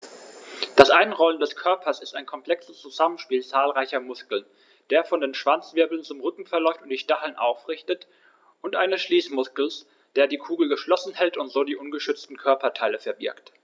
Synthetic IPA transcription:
d̥asʔaɪnʁɔləndɛskʰœɐpʰɐsɪstaɪnkʰɔmpl̥ɛksəst͡suzamənʃpiːlt͡saːlʁaɪçɐmʊskl̩n | d̥eːɐfɔndeːnʃv̥ant͡sv̥ɪɐbl̩nt͡sʊmʁʏkŋ̩fɛɐlɔʏftʊntd̥iːʃtaχl̩nʔaʊfʁɪçtət | ʔʊntʔaɪnəsʃliːsmʊskl̩s | d̥eːɐdiːkʰuːɡl̩ɡəʃlɔsn̩hɛltʊntz̥oːdiːʔʊnɡəʃʏt͡stn̩kʰœɐpɐtʰaɪləfɛɐbɪɐkt

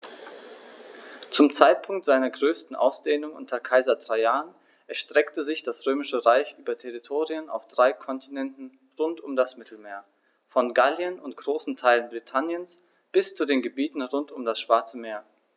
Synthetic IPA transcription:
t͡sʊmt͡saɪt̚pʰʊŋk̚tz̥aɪnɐɡʁøːstn̩ʔa̰ʊsd̥eːnʊŋʔʊntʰɐkʰaɪzɐdʁaɪaːn | ʔɛɐʃtʁ̥ɛktəzɪçd̥asʁøːmɪʃəʁaɪçʔyːbɐtʰɛʁitʰoːʁiəna̰ʊfd̥ʁaɪkʰɔntʰinɛntn̩ | ʁʊntʊmdasmɪtʰl̩meːɐ | fɔnɡaljənʊntɡ̥ʁoːsn̩tʰaɪlənbʁitʰanjəns | b̥ɪst͡sudeːnɡəbiːtn̩ʁʊntʊmdasʃv̥aɐt͡səmeːɐ

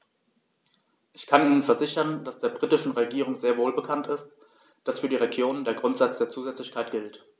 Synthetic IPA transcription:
ʔɪçkʰanʔiːnənfɛɐzɪçɐnd̥asd̥eːɐbʁiːtɪʃn̩ʁeɡiːʁ̞ʊŋzeːɐvoːlbəkʰantɪst | d̥asfyːɐɾiːʁeɡjoːnəndeːɐɡʁʊntz̥at͡sd̥eːɐt͡suːzɛt͡slɪçkʰaɪtɡ̥ɪlt

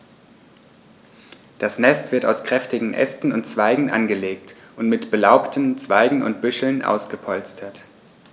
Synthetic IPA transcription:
d̥asnɛstv̥ɪɐta̰ʊskʁ̥ɛftɪɡŋ̩ʔɛ̰stn̩ʊntt͡sv̥aɪɡŋ̩ʔa̰nɡəleːk̚tʔʊntmɪtb̥əlaʊptʰən̩t͡sv̥aɪɡŋ̩ʊ̰ntb̥ʏʃl̩nʔa̰ʊsɡ̥əpʰɔlt͡stʰɐt

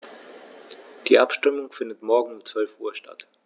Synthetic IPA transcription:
d̥iːʔapʃtɪmʊŋfɪndətmɔɐɡŋ̩ʊmt͡sv̥œlfʔuːɐʃta̰t

